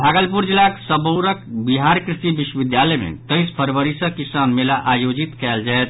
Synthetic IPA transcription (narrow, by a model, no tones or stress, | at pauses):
bʱaɡəlpuɾd͡ʒilːaksəboɾəkbiɦaɾkɾisibiʃwəbid̪jaləjmḛt̪əjspʰəɾʋəɾisə̃kisanmelaʔajod͡ʒit̪kɛld͡ʒaet̪̚ʰ